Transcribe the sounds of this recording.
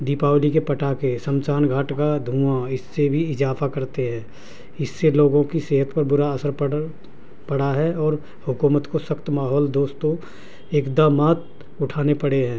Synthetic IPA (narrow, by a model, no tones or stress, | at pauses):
d̪iːpaːwlikepɐʈakesə̃mt͡ʃaːnɡʱaːʈkad̪ʱũːaɪsːebʱiɪzaːfʰakɐɾt̪eɦɛ̃ː | ɪsːeloːɡõkiseːɦət̪pɐɾbʊɾaəsəɾp | pɐɽaɦɛɔːɾ | hʊkuːmət̪kosɐxt̪maːɦɔːld̪oːst̪õ | eːkd̪aːmaːt̪ | ʊʈʰaːnepɐɽeɦɛ̃ː